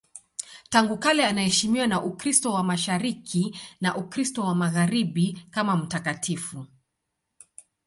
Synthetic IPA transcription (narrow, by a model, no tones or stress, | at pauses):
taŋɡukalɛanahɛʃimiwanaʔukɾistɔwamaʃaɾikʰinaʔukɾistɔwamaɣaɾiɓikamam̩takatʰifu